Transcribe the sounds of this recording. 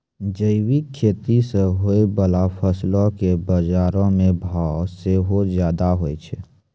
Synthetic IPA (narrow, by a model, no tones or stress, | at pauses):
d͡ʒəɪwikʰːeːt̪iseɦoibəlapʰəslõkebəd͡ʒaːɾõmẽbʱaseɦozjaːd̪aɦoet͡ʃʰɛ